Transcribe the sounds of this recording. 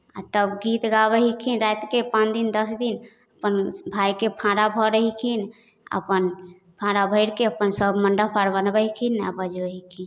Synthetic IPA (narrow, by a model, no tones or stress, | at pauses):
a̰t̪əbɡit̪ɡabəɦikʰinɾat̪kepãt͡ʃd̪ind̪əsd̪in | əpənbʱajkepʰãɽabʱɔɾəɦikʰin | ə̰pən | pʰãɽabʱəɪɾkeəpənsəbʱməɳɖəpʰaɽbənbəɦikʰina̰bəd͡ʒbəɦikʰin